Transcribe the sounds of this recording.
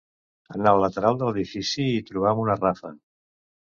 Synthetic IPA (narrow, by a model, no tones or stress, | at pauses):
ənaələt̪əɾalˠd̪ələðifisiːt̪ɾuβ̞amunərafə